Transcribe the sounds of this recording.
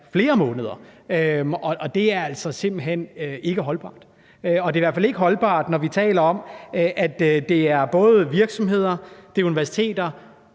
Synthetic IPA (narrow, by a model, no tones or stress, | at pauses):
fle̝ːɐmɔ̽ːnəð̞ˠɐømɒ̽ʔɒ̽d̥e̝æɐæl̰sɒ̽se̝m̰b̥l̩ɦen̰øe̝ɡ̥əɦɒ̽lb̥ɑ̰̈ːd̥ | øɒ̽d̥e̝iʋæɐ̰fæle̝ɡ̥əɦɒ̽lb̥ɑ̰̈ːd̥nɒʋit͡sʰɛ̰ːlɐɒ̽mʔæd̥d̥e̝æɐb̥ɔ̽ːð̞̩ˠʋiɐɡ̥sɒ̽mɦe̝ð̞̰ˠɐd̥e̝uniʋæɐsi̥t͡sʰe̝̰ːd̥ɐ